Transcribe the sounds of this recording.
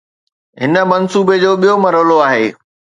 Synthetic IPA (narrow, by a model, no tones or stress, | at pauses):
ɦɪnə̆mɐnsuːbed͡ʑoːɓijomɐɾəʋloaːɦeː